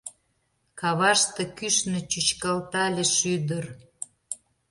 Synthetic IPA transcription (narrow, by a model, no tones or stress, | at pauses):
kɑβɑʃt̪ĕkyʃnĕt͡ɕyt͡ɕkɑlt̪ɑlʲeʃyd̪ər